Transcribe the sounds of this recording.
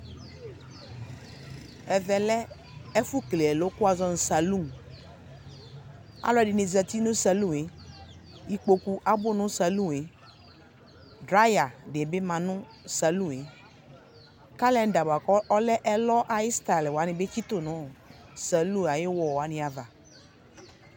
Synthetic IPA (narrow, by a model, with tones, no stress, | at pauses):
ɛ˨vɛ˨lɛ˦ | ɛ˦fu˦kle˨ɛ˨lo˦kʊ˦a˧zɔ˧n̩˨sa˨lu˦˨ | a̰˨˦lɔ˦ɛ˨dɪ˨ni˨zɛ˧˨ti˦nʊ̃˦sa˨lu˦˨e˨˦ | i˨k͡po˨ku˨ʔa˨bʊ˦˨nʊ̃˦sa˨lu˦˨e˨˦ | dɾa˦ja˨de˨bɪ˦mã˨nʊ̃˦ | sa˨lũ˦˨e˨˦ | ka˦lɛ˦n˨˦da˨ba˨kɔ˦lɛ˦ʔɛ˦lɔ˦ʔa˨ji˦sta˨lwa˨˦nɪ̃˨be˦t͡ʃi˦tʊ˦˨nʊ̃˨˦˨sa˨lu˦˨a˨jɪ˦wɔ˨wa˨˦nɪ̃˨a˨va˨